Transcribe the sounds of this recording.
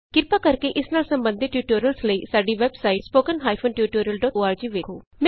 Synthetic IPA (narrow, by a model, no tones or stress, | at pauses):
kɪɾpaːkəɾkeʔɪsnaːlsəmbənd̪ʱɪʈjuːʈoːɾjəlsləiːsaːɖiːʋɛːbsaːiʈspoːkənɦaːipʰonʈjuːʈoːɾijəlɖɔːoːaːɾd͡ʒiːʋeːkʰoː | mɛ̃